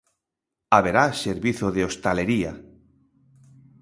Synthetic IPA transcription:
aβeɾaseɾβiθoðeost̪aleɾia̰

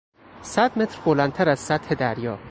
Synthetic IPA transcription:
sæd̪me̞t̪ɾbolænt̪ʰæɾæz̥sæt̪ʰhe̞d̪æɾjɒː

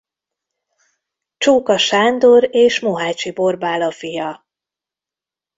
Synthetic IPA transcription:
t͡ʃoːkɒʃaːnd̪oɾeːʃmoɦaːt͡ʃibo̞rbaːlɒfijɒ

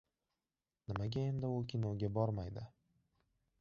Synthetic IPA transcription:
nɪmaɡʲaend̪aʊkʲʰɪnoɡʲabɒɾmajd̪ɪ

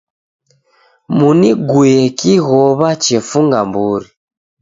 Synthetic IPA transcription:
muniɡwɛkiɣɔβat͡ʃɛfuŋɡambuɾi

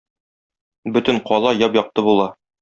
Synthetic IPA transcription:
bɵ̆t̪ɘɴqɒlˠɑjɒpjɒq̚t̪ɤbulˠɑ

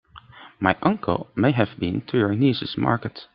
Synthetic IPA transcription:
majʔʌ̃ŋkʰə̰lˠmeɪɦævbĩntʰujə˞nizɨsmɑ̰ɹkət

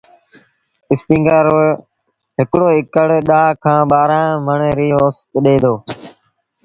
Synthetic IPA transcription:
ɪspĩːŋɡaːɾoː | ɦɪkɽoːɪkəɽɗaːkʰãːɓaːɾãːməɳeːɾiːoːst̪ɗeːd̪oː

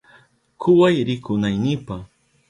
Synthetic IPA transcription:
kʰʊwajɾɪkʊnajnɪpaχ

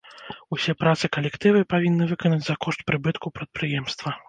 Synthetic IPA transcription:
usʲɛpɾat̪sɨkɐlʲɛkt̪ɨvɨpavʲinːɨvɨkɐnɐd͡zʲzɐkɔʂt̪̚pɾɨbɨt̪kupɾɐt̪̚pɾɨjɛmst̪vɐ

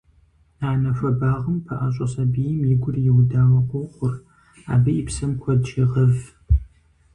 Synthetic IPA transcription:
naːnɐfʷɐbaːʁəmpʰɐʔaɕʼɐɕʼɐbiːjɪmjɪɡʷʊrjɪwdaːwɐqʷoχʷʊr | a̰ːbɨjipsɐmkʷʰɔdt͡ʃɪʁɐv

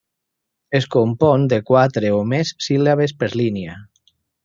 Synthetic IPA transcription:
eskompɔnd̪ekwat̪ɾeomesːilaβespeɾlinija

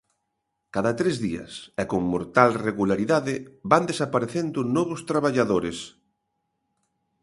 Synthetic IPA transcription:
kaðat̪ɾezðiɐ̰sɛkoŋmoɾt̪alreɣulaɾiðaðɪband̪esapaɾeθend̪ʊnɔβ̞ʊst̪ɾaβaʎaðoɾes

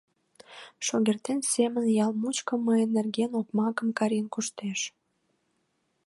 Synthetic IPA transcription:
ʃoɣert̪ensemənjɑlmut͡ɕkə̆məjənːerɡenopmɑkəmkɑɾʲenkuʃt̪eʃ

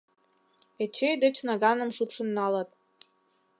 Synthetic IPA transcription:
et͡ɕʰejd̪ə̆t͡ɕnɑɡɑnə̆mʃupʃə̆nːɑlɤt̪

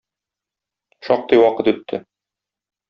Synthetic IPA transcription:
ʃɒq̚t̪ɤjwɒqɤt̪ʉt̪ʰːɘ

